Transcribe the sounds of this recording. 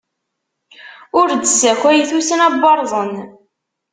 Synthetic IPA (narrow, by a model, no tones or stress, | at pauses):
ʊɾd̪əsæçæjθusənæbːɑɾˤzˤən